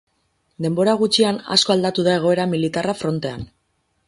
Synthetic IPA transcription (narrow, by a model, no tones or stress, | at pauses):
d̪e̞mbo̞ɾaɣ̞ut͡ʃiana̰sko̞ald̪at̪uðae̞ɣ̞o̞e̞ɾamilit̪arafɾo̞nt̪e̞an